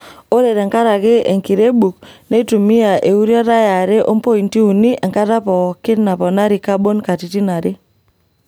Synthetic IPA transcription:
o˦ɾe˨ɾɛ˨ŋka˦ɾa˨kɪ˦ḛ˨ŋki˨ɾe˦bu˨k̚ne˦tu˨mi˦a˨ʔe˨u˦ɾja˦ɾa˦ja˨ɾe˦ʔo˦mpo˦i˨nti˦u˨ni˦ʔɛ˨ŋka˦ta˦pɔ˨kɪ˦tna˨pɔ˨na˦ɾi˨ka˦bo˦nka˨ti˨ti˦na˨ɾɪ˦

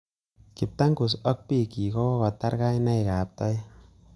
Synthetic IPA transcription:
ki˨p̚ta˦ŋku˨s̬ɔ˦k̚pi˦˨ki˨kɔ˦wɔ˦kɔ˨ta˦ɾka˦jna˦jka˨p̚tɔ˦j

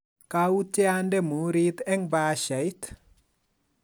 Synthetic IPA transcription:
kau˦tɛ˦andɛ˦mu˨ɾit̪ɛ˦ŋbaːʃa˨jt̪

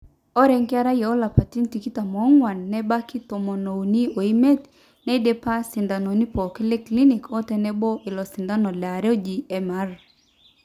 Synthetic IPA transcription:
ɔ˦ɾɛ˦ŋkɪ˦a˦ɾa˦jɛ˨o˦la˨pa˨ti˦nti˨ki˦ta˨mɔ˨˦ŋwa˨nːɛ˦ba˦ki˦to˨mɔ˨no˨u˨ni˦o˨i˦me˦t | nɛ˦de˦pa˦sɪ˨nda˨no˨ni˦pɔ˨ki˦le˦kli˦ni˨kʰɔ˦tɛ˨nɛ˦bɔ˦ʔɪ˨lɔ˨sɪ˨nda˦nɔ˨lɛ˨a˨ɾe˦o˦d͡ʒi˨ɛ˨ma˦r

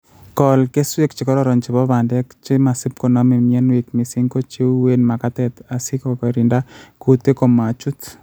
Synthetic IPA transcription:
kɔ˨lke˦swe˦kt͡ʃi˨kɔ˦ɾɔ˦ɾɔ˨nt͡ʃɪ˨βɔ˦βa˨ndɛ˦kt͡ʃi˦ma˨sɪ˦p̚ko˨nɔ˦me˨mjɛ˦nwi˨k̚mi˨si˦ŋɡo˦t͡ʃi˦u˦we˦nma˨ka˦t̪ɛ˨t̪a˨si˦kɔkɾi˨nda˦kut̪e˦ko˨ma˨t͡ʃu˦t̪

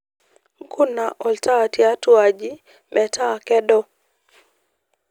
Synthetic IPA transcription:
ŋ̩˦ku˦na˨ʔɔ˨lta˦˨tja˦twa˨d͡ʒi˦ | mɛ˨ta˦˨kɛ˦dɔ˦

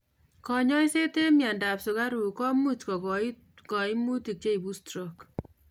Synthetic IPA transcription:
kɔ˨ɲɔ˦i˦se˦te˦mja˨nda˨psʊ˨ka˦ɾu˨kɔ˦mu˦t͡ʃkɔ˨kɔ | kɔ˨ɪ˦mu˦ti˨k̚t͡ʃe˦i˨bu˦stɾɔk

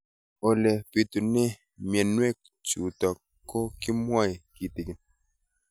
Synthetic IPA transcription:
o˨le˨pi˨t̪u˨ne˦ | mjɛ˨nwe˦k | t͡ʃu˨tɔ˨ | kːo˦ki˦mwɔ˦i˨ki˨ti˨ɡi˨n

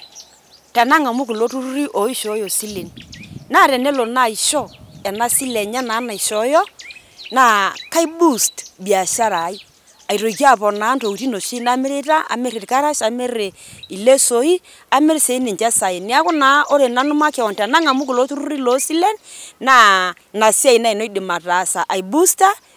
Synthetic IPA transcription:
tɛ˨na˦ŋa˨mu˦k̬i˨lo˦tu˦ɾu˦ɾi˦ʔo˨˦i˦ʃo˨˦jo˨si˦le˨nna˦˨ɾɛ˨ne˦lo˨na˦˨i˨ʃɔ˦ɛ˨na˦si˦lɛ˨ɲa˦naː˨˦na˨i˨ʃɔ˨˦jɔ˦ | na˦ka˦jbu˦stbi˨a˨ʃa˦ɾa˨˦i˦ | a˨jɾo˨ki˦a˦˨pɔ˨na˨˦nto˨u˨ti˦no˨ʃi˦na˦me˦ɾe˦ta˦a̰˨me˦ɾi˨ɾka˦ɾa˦ʃa˨me˦ɾe˨i˨le˦so˨i˦ | a˨˦me˦ɾse˨i˦nɪ˨ɲt͡ʃɛ˦sa˨e˨ni˨˦a˦kʊ˦na˨˦o˦ɾe˨na˨˦nʊ˦ma˦kɛ˨ɔ˨nta˨na˦ŋa˨mu˦kɪ˨lo˨˦tu˦ɾu˦ɾi˦lo˨˦si˦lɛ˦nna˦ | na˨si˦a˦˨i˨na˦i˨no˦dɪ˨ma˨ta˨˦sa˨ʔa˨jbu˦sta˦

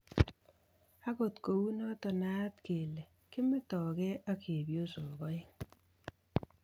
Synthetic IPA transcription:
a˦ko˨t̪ko˨wu˦nɔ˦t̪ɔ˨na˦t̪ke˨le˨ | kɪ˦mɪ˦t̪ɔ˨kɛ˦a˦kʰe˨bjo˦so˨ɡɔ˦

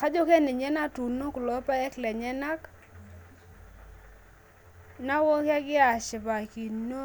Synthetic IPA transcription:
ka˦d͡ʒɔ˦kɛ˦nɪ˨ɲɛ˦na˦tu˨no˦kʊ˨lɔ˨˦pa˦ɛ˦klɛ˨ɲɛ˦na˦k | na˦wo˦kja˦ɡɪ˦a˨t͡ʃɪ˨ba˨ki˨no˦

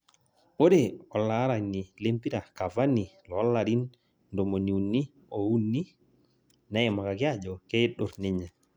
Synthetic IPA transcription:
o˦de˨ɔ˨la˨˦ɾa˨ɲni˨le˦mpi˦ɾa˨ka˨va˦ni˨lɔ˨ɔ˦lːa˨ɾi˦n | ndɔ˨mo˨ni˨u˨nːi˦ | o˨u˦nːi˦ | na˦ɛ˨ma˨ka˨ki˦a˦d͡ʒɔ˨kɛ˦i˦ɗɔ˨ɾni˦ɲa˨

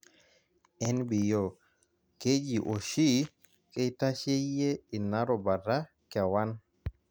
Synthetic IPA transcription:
ɛ˦nbi˨jo˨ | ke˦d͡ʒi˨ʔo˨ʃi˦ | kɛ˦jta˦ʃe˦je˦i˨na˦ɾɔ˨ba˨da˦ | kɛ˨wa˦n

